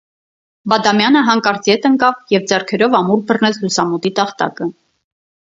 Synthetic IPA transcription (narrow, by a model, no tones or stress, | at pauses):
bɑd̪ɑmjɑnəɦɑŋkɑɾt͡sjɛt̪əŋkɑvjɛvd͡zɛrkʰɛɾɔvɑmuɾbərnɛt͡sʰlusɑmut̪it̪ɑχt̪ɑ̰kə